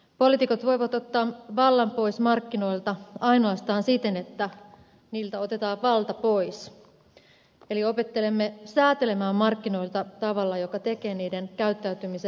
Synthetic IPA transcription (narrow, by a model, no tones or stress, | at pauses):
po̞lit̪ikot̪ʋo̞iʋɑt̪o̞t̪ːɑːmʋɑlːɑmpo̞ismɑrkːino̞ilt̪ɑɑino̞ɑst̪ɑːnsit̪ene̞t̪ːæ | niːlt̪æo̞t̪et̪ɑːʋʋɑlt̪ɑpo̞is | e̞lio̞pe̞t̪ːe̞le̞mːesæːt̪e̞le̞mæːmːɑrkːino̞ilt̪ɑt̪ɑʋɑlːɑjokɑt̪eke̞ːniːdenkæyt̪ːæyt̪ymise